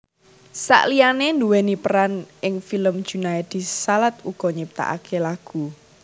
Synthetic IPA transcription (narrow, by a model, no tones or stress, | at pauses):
sa̰ʔlianend̪uwenipəɾanʔɪŋfiləmd̥ʒ̥ṳnajd̪̥i̤salat̪̚uɡ̥ɔɲip̚t̪a̰ʔa̰kʰelaɡ̥ṳ